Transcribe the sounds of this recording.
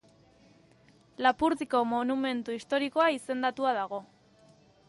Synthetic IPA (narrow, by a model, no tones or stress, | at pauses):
lapuɾðiko̞monume̞nt̪uist̪o̞ɾiko̞aise̞nd̪at̪uaðaɣ̞o̞